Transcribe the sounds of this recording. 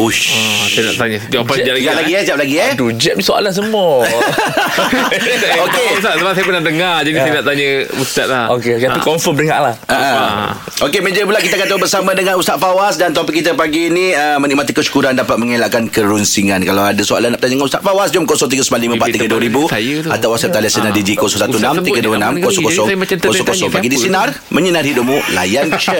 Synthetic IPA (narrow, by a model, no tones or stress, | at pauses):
uʃsajna̰ʔt̪aɲəd͡ʒald͡ʒaplaɡid͡ʒap̚laɡiədud͡ʒəʔ̚nisoa̰lans̬əmuo | okeusaʔsəbaʔ̚sajəpunaʔdəŋard͡ʒadisajənaʔt̪aɲəust̪aʔ̪̚laokeokeaukɔɱfəmɾiɦa̰ʔlahaʔə | okemə̃d͡ʒəpulakit̪akant̪obəɾsamãdəŋãnust̪at̪̚fawasdant̪op̬ɪkːit̪̬əpaɡiniəməniʔmat̪ikəʃu̥kuɾandapat̪̚məŋelaʔkankəɾunsiŋankalawadasoa̰lanaʔpət̪aɲədəŋanust̪a̰ʔ̪fawasd͡ʒumkosɔŋt̪̬iɡəsəmanlimə̃paʔ̪iɡɡəduəɾibujat̪awasaʔ̚t̪aliasənadid͡ʒikɔsɔŋsat̪unnamt̪iɡəduənãmkosɔkosɔŋmaaosɔŋkosɔŋpaɡidisinar | mə̃ɲənarhiduʔmula̰jant͡ʃə